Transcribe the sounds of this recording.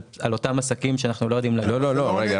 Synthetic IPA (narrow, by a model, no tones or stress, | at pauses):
alo̞tamasakimʃeanaχnulojo̞d̪imlalololoʁea